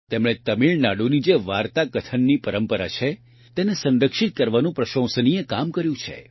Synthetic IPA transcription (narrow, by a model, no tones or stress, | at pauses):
t̪emɭ̃et̪əmiɭnaɽunid͡ʒeʋaɾt̪akət̪ʰənːipəɾəmpəɾa̰t͡ʃʰe | t̪enesə̃nɾəkʃit̪̚kəɾʋanũpɾəʃõw̃səniekamkəɾjũt͡ʃʰḛ